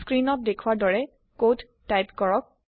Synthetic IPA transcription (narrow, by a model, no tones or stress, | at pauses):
skɹinɔt̚dekʰuadɔɹɛ | kotːajpkɔɹɔk̚